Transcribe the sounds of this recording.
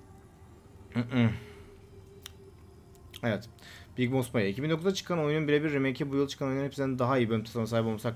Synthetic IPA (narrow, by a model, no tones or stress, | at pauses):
m̩ | evɛt̪biicbosmajaicʰibind̪okuzat͡ʃʰɯ̥kʰanojununbiɾʲebiɾːemecʰɛbujɯlˠt͡ʃɯ̥kʰanojnunepsnnd̪aɦaijibømt̪ʰe̥samasaːɦipomsak